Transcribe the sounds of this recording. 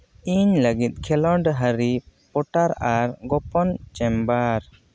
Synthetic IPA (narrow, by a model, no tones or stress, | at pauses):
iɲləɡit̪̚ˀkʰɛlɔɖɦəɾipɔʈaɾaɾɡɔpɔnt͡ʃɛmbaɾ